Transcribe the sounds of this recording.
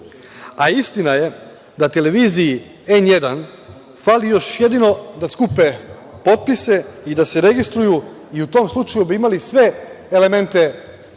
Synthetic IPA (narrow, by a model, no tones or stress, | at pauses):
aist̪inaje̞ | d̪at̪e̞le̞ʋiːziː | e̞nje̞d̪an | falijo̞ʃje̞d̪ino̞d̪askupe | po̞t̪̚pise̞id̪ase̞ɾe̞ɡist̪ɾuju | iut̪o̞ːmslˠut͡ʃajubiimalisʋe̞ː | le̞me̞nt̪e̞